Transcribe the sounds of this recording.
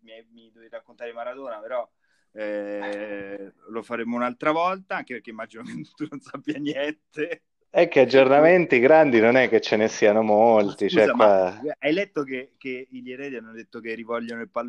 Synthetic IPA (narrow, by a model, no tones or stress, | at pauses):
miamid̪ovit̪akːont̪aɾemaɾad̪oːnapeɾɔ | ɛ | lofaɾeːmounalt̪ɾavɔlt̪aaŋkepeɾrk̟eimːad͡ʒinokent̪unonsapːjanjɛnt̪e | ɛkːead͡ʒːornament̪iɡɾand̪inonɛkːet͡ʃːenesianomolt̪it͡ʃɛzakwaaajlɛt̪ːokekeiʎeɾɛːd̪ianːod̪et̪ːokerːivɔlʎːonoilpal